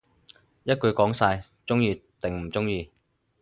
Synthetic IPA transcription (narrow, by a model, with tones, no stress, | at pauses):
jɐ˥t̚kɵ˨˧ɥkɔː˨˥ŋsaː˧j | t͡sʊ˥ŋjiː˧t̪ɪ˨ŋm̩˨˩t͡sʊ˥ŋjiː˧